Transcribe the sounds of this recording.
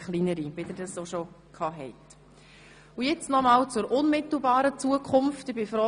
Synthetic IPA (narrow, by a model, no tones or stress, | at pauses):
χlinəɾivɪdəɾdɑsoʃo | kʰɑːɦɛɪt | ʊjɛt͡snɔmɑːlt͡sʊɾʔʊnmɪt̪l̩ˠbɑːɾət͡suəkʰχʊmftɪbɪfɾɔ